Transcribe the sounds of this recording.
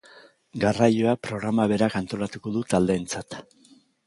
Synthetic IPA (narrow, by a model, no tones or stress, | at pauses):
ɡarajo̞apɾo̞ɣ̞ɾamaβ̞e̞ɾakant̪o̞lat̪uko̞ðut̪ald̪e̞ːnt͡sat̪